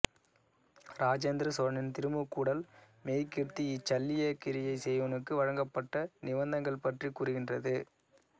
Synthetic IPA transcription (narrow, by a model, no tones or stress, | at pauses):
ɾaːd͡ʒend̪ɾɐsɔɾɐnɪnt̪ɪɾɯmɯkːuːɽɐl | meːjkɪrt̪iɪt͡ʃːɐlːɪjɐkɪɾɪjɐɪsɛjʋɐnɯkːɯʋɐɻɐŋɡɐpːɐʈːɐnɪʋɐnd̪ɐŋɡɐɭpɐʈrikːuːɾɯɣɪndrɐðɯ